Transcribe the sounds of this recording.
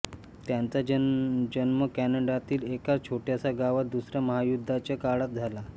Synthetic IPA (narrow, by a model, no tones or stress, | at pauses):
t̪jant͡sad͡ʑənməkænaɽat̪iːlekat͡st͡ɕʰoʈjasaɡaʋad̪usɾjaməɦajud̪ʱːat͡ɕjakaɭat̪̚d͡zʱala